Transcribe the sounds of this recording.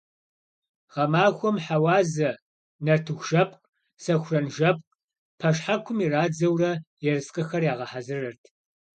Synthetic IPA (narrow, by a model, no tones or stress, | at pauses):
ʁɐmaːxʷɔmħawɑːzɐ | nɐrtʰɨxʷʒɐp̚ʼqʼ | sɐxʷʊrɐnʒɐp̚ʼq | pʰɐʂħakʷʰʊmiraːd͡zɐwrɐjɛrɨsqʼɐxɐrjaːʁɐħazɨrɐrtʰ